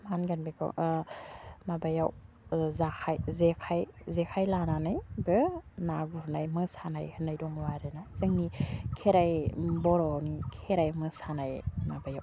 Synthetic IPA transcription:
manɡanbekʰa̰w | mabajaw | zakʰajzekʰajzekʰajlananɯjbɯnaɡuɾnajmɯsana̰jhɯnːajdɔŋwaɾɯnazɯŋnikʰeɾajbɔɾɔnikʰeɾajmɯsanajmabajaw

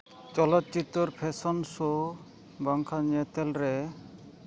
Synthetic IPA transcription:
t͡ʃɔlɔt̪̚t͡ʃit̪ːɔɾpʰesɔnso | bɔŋkʰaɲet̪elɾe

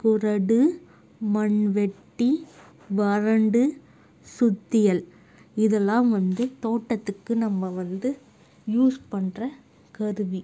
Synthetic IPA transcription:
kʊrɐɽɯ | mɐɳʋɛʈːi | ʋɐɾɐɳɖɯ | sʊt̪ːɪjɐl | ɪðɐlːaːmʋɐnd̪ɯt̪oːʈːɐt̪ːɯkːɯnɐmːɐʋɐnd̪ɯ | juːspɐɳrɐ | kɐɾɯʋi

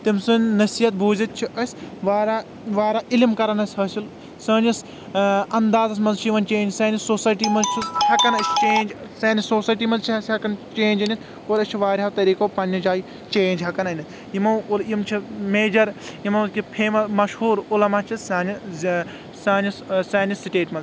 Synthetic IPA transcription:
t̪imsɨnnɐsiːɐt̪̚bʱuːzit̪̚t͡ʃʰiʔɐsʲʋaːɾa | ʋaːɾaːʔɪlmkɐɾɐnɐsʲɦɐsil | sɐːnis | ɐnd̪aːzɐs̬ʲmɐnzt͡ʃʰiʋɐnt͡ʃẽːnd͡ʒsɐːnisoːsaːjʈiːmɐzt͡ʃʰihɐkɐnɐst͡ʃeːnd͡ʒsɐːnisoːsaːʈiːmɐnzt͡ʃʰiɦɐsʲɐkɐnt͡ʃeːnd͡ʒɐnit̪ʰ | oːɾɐst͡ʃʰiʋaːɾʲɦɐt̪ɐɾiːkoːpɐnːɐd͡ʒaːji | t͡ʃeːnd͡ʒɦɐkɐnɐnʲɐt̪ʰ | jimɐwlimt͡ʃʰimeːd͡ʒɐɾjimɐwkʲipʰeːmɐsmɐʃhuːɾulɐmat͡ʃʰisaːni | saːnissaːnisiʈeːʈmɐnz

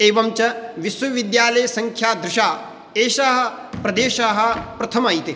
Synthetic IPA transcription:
eːʋɐmt͡ʃɐʋisʋɐʋid̪jaːlɐjɐsɐŋkʰjaːd̪ɾɪʃaː | eːʃaːɦɐ̆ | pɾɐd̪eːʃaːɦɐ̆pɾɐt̪ʰɐmaːjt̪e

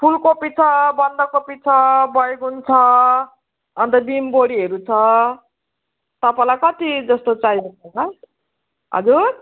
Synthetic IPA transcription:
pʰulkopit͡sʰʌbʌnd̪ʌkːopit͡sʰʌbʌjekɦunt͡sʰʌ | nt̪ʌbimboɽiɦeɾut͡sʰʌ | t̪ʌpajlajkʌt̪id͡zʌst̪ot͡sajɦokt͡sʰʌkʌ | ɦʌ̰d͡zuɾ

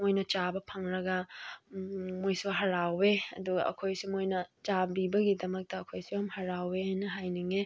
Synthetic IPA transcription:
mojnɐt͡ʃabɐpʰɐŋɾɐɡɐ | mojsuɦɐɾawbeɐ̰duɡɐ̰ɐ̰kʰojsimojnɐt͡ʃabibɐɡidɐmɐk̚tɐːkʰojsuhɐmhɐɾawehajnɐɦajniŋe

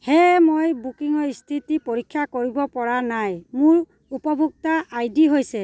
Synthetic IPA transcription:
hɛmojbukiŋɔɹistʰitipoɹikʰːjakoɹibɔpɔɹanajmʊɹ | upɔbʱuk̚taʔajdiɦojsɛ

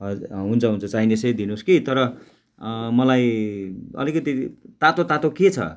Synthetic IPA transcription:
ɦunt͡sʰʌɦunt͡sʰʌt͡sainesʌjd̪inoskit̪ʌɾʌ | mʌlaj | ʌ̰likʌt̪it̪at̪ot̪at̪oket͡sʰʌ̰

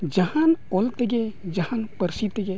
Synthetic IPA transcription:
d͡ʒɐhãnolt̪əɡed͡ʒɐhãnpəɾsit̪əɡe

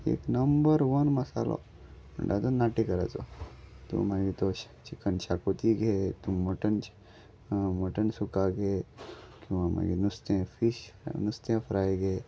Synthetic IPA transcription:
ḛːknɐmbəɾʋɐnmɐsalo̰ | mə̰ɳɖat̪onaʈikɐɾa̰t͡so̰t̪ṵmaɡit̪o | t͡ʃikənt͡ʃakot̪iɡʱet̪umoʈən | moʈənsukaɡʱekjũʋama̰ɡinust̪ẽfiɕnust̪ẽfʰɾajɡʱe

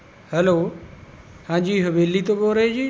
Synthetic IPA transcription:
hɛloː | hãːɲd͡ʑiːɦəʋeːlit̪oboɾɦed͡ʑiː

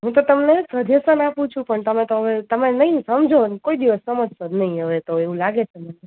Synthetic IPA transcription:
ɦũt̪̬ot̪əmnesəd̪ʱesənapũt͡ʃʰũpəɳt̪əmẽt̪oɦəʋet̪əmenəɦĩsəmd͡ʒʱonkoid̪iʋəsːəməd͡ʒsəd̪nəɦĩɦəʋet̪oeʋũlaɡet͡ʃʰeməne

